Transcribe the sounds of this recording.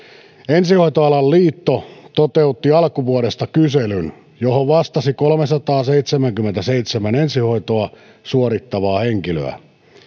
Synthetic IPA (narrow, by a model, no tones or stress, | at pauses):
ensihoit̪oɑlɑlliːt̪ːot̪ot̪eut̪ːiɑlkuʋuolest̪ɑkyselyn | johoʋʋɑst̪ɑsikolmesɑt̪ɑːseit̪semæŋkymːent̪æseit̪semænensiho̞it̪oɑ | suoɾit̪ːɑʋɑːheŋkilø̰æ̰